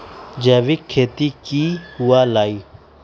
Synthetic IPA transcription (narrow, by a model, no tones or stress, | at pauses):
d͡ʒɛːʋikʰːeːt̪ikihualaːiː